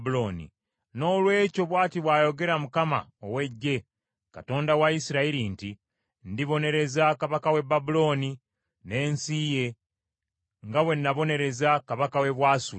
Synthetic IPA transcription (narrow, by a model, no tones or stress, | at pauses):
buloːnḭ | no̞ːlwe̞ːco̞βwaːtiβwaːjo̞ɡe̞ɾamukama̰owe̞ɟːe̞ | ka̰to̞ːndawaisiɾaiɾinti | ndiβo̞ne̞ɾe̞zakaβakawe̞babulo̞ːni | ne̞ːnsije̞ | ŋɡawe̞nːaβo̞ne̞ɾe̞zakaβakawe̞βwaːsu